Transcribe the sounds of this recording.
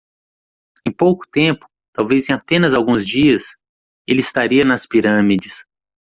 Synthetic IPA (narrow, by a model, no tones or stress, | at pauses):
ẽj̃powkʊ̥t̪ẽpʊ̥ | t̪awvezẽj̃apẽnɐzawɡũzd͡ʒiɐs | elɪist̪aɾiɐnɐspiɾɐ̃mid͡ʒɪs